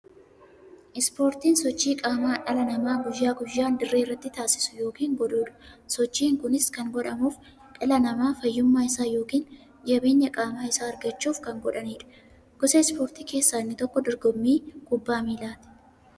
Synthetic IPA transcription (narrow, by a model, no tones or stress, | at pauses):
ʔɪspo̞ːɾt̪iːnsɔt͡ʃːiːkʼaːmaːᶑɐlɐnɐmaːɡʊjːaːɡʊjːaːnd̪ɪrːeːɪrːɐt̪ːɪt̪aːsɪ̥sʊ̥jo̞ːkiːŋɡɔᶑuːᶑɐ̥sɔt͡ʃːiːŋkʊnɪskɐŋɡɔᶑɐmuːf | ᶑɐlɐnɐmaːfɐjːʊmːaːɪsaːjo̞ːkiːn | d͡ʒɐbeːɲːɐkʼaːmaːɪsaːɐɾɡɐt͡ʃːuːfkɐŋɡɔᶑɐniːᶑɐ̥ | ɡ̥ɔsɛspo̞ːɾt̪iːke̞ːsːaːnːɪt̪ɔkːɔd̪ɔɾɡɔmːiːɡ̥ʊbːaːmiːlaːt̪ɪ̥